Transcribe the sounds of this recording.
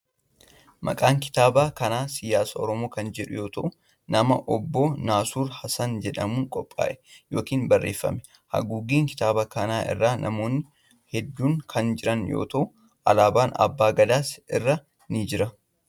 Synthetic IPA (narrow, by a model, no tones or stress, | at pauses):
mɐ̰kʼaːŋkɪ̥t̪aːbaːkɐnaːsɪjaːsɐɔɾɔmo̞ːkɐnd͡ʒɛᶑʊjo̞ːt̪ɐʔʊ | nɐmɐʔɔbːoːnaːsuːɾhɐsɐnd͡ʒɛᶑɐmuːŋkʼɔpʼːa̰ːʔɛ̥jo̞ːkiːnbɐrːḛːfːɐ̰mɛ | hɐ̰ɡuːɡiːŋkɪ̥t̪aːbakɐnaːʔɪ̰rːaːnʔɐ̰mo̞ːnːɪ | hɛd̪ːuːŋkʰɐnd͡ʒɪɾɐnjo̰ːt̪ɐʔʊ | ʔɐlaːbaːnɐ̰bːaːɡɐd̪aːsɪrːa | nid͡ʒɪɾɐ